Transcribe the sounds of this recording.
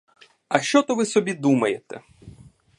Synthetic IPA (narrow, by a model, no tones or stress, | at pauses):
ɐʃt͡ʃɔt̪ɔʋɪsɔbʲid̪umɐjet̪ɛ̰